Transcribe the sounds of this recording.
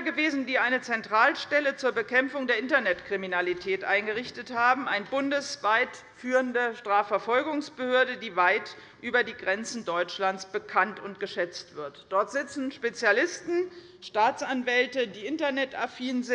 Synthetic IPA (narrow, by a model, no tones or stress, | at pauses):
ɡəveːzn̩diːʔaɪnət͡sɛntʁ̥aːlʃtɛlət͡suːɐbəkʰɛmfʊŋdeːɐɪntɐnɛtkʁ̥iminalitʰɛːtʔaɪnɡəʁɪçtəthaːbm̩aɪnbʊndəsv̥aɪt | fyːʁəndəʃtʁ̥aːfɛɐfɔlɡʊŋsb̥əhøːɐdədiːvaɪt | ʔyːbɐdiːɡʁɛnt͡sn̩dɔʏt͡ʃlant͡sb̥əkʰantʊntɡ̥əʃɛt͡stv̥ɪɐtd̥ɔɐtz̥ɪt͡sn̩ʃpet͡sjalɪstn̩ | ʃtaːt͡sʔanvɛltədiːʔɪntɐnɛtafiːnzɪ